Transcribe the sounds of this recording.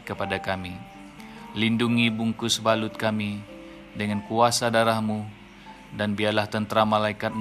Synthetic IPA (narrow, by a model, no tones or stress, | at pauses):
kəpadakami | linduŋibuŋkʊsbalʊt̪̚kami | dəŋankuasadaɾahmu | danbiarlaht̪ənt̪ɾamalaikat̪̚m